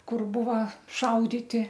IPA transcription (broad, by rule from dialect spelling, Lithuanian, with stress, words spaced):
ˈkʊr ˈbʊʋɐ ˈʃɐʊdʲɪtʲɪ